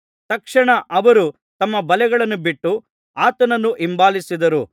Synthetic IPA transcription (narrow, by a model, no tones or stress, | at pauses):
t̪ɐkʂɐɳɐʔɐʋɐɾu | t̪ɐmːɐbɐlɛɡɐɭɐnːubiʈːu | aːt̪ɐnɐnːuʔimbaːlisid̪ɐɾu